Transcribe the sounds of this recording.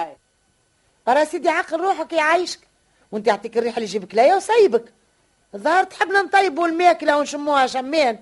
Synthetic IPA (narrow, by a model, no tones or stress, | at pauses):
bɑɾˤɑsid̪iʕɑqːəlɾˤuːħəkjʕajʃk | wʔɪnt̪ijaʕt̪ˤiːkərːiːħlːiʒiːbəklæjæwsˤɑjːbək | ðˤːɑhɑɾˤt̪ħəbːnant̪ˤɑjːbulmæːklawnʃʊmːuːhæʃæmːɛːn